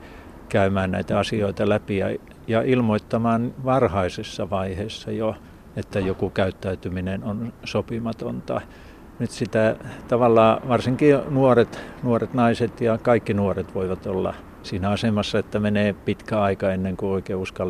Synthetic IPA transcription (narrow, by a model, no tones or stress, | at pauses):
kæymæːnnæ̰it̪æɑsioit̪ɑlæpijɑ | jɑilmoit̪ːɑmɑːnʋɑrhɑisesːɑʋɑiheːsːɑjo | et̪ːæjokukæyt̪ːæyt̪yminenonsopimɑt̪ont̪ɑ | nyt̪sit̪æt̪ɑʋɑlːɑːʋɑrsiŋkinuoret̪nuoret̪nɑiset̪jɑkɑikːinuoret̪ʋoiʋɑt̪olːɑ̰ | siːnæɑsemɑsːɑet̪ːæmeneːpit̪kæɑikɑenːeŋkuoikeːuskɑl